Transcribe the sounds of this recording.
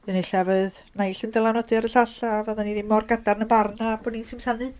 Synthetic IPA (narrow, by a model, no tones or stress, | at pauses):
ɨneɬavɨð | najɬəndəlˠanɔdɨaɾəɬaɬavaðaniːðɪmɔrɡadarnəmbarnab̥oːdninsɪmsanɨ